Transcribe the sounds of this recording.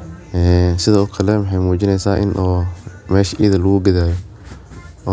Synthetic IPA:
ɛːsɪðɐɔːkʰɐlɛmɑħɛjmuːt͡ʃɪnɛjsaːʔɪ̰nʔɔːmɛːʃɐʔiðɐlɐɣʊɡɐðaːjɔ

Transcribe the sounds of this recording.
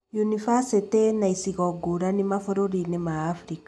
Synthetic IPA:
junifasitenaisiɣɔɡoɾanimafoɾoɾinemaːfɾika

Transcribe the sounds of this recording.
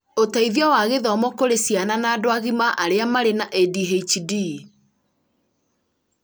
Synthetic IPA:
otaiðiɔwaɣeðɔmɔkoɾesjananaːdoaɣimaʔaɾeamaɾenaʔediɦet͡ʃidi

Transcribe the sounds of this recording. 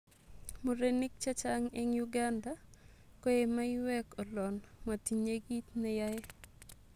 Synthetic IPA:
muɾenɪk̚t͡ʃat͡ʃaŋeŋjuɡanda | koemaɪwɛkɔlɔnmatiɲeɡit̪nɛjaje

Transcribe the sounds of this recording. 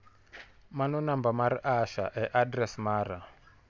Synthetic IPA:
manɔnambamaɾiʔaʃa̰ʔɛʔadɾɛsmaːɾa

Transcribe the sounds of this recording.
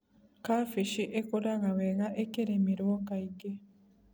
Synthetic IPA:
kaːfiʃiʔekoɾaɣaweɣaʔekeɾemiɾuokaiɡe

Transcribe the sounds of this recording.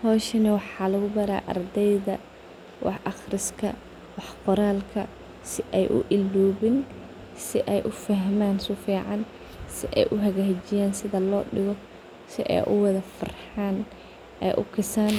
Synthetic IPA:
hɔːʃɐnɐwɑħɑːlɐɣʊbɐɾa̰ːʔɐ̰rd̪ɛjðɐ̰ | wʔɑ̰ħʔɑχrɪskʰɐ | wɑħqɔɾaːlkʰɐ̰ | sɪʔɛjʔʊ̰ʔɪlːuːβɪn | sɪʔɛjʔʊfɐɦmaːnsʊfiːʕɑn | sɪʔɛ̰jʔʊɦɐɣaht͡ʃɪjaːnsɪðɐlɔːɖɪɣɔ | sɪʔɛ̰jʔʊ̰wɑðɐfɐ̰rħaːn | ʔɛ̰jʔʊ̰kʰɪsaːn

